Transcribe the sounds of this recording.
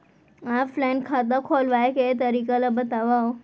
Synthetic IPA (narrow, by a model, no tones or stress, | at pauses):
aflaɪnkʰaːt̪̬akʰolʋajket̪ɐɾiːkalabət̪aʋao